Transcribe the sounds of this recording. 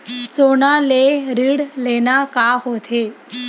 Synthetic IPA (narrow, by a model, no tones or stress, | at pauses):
sonaleɾiɽlenakaɦot̪ʰe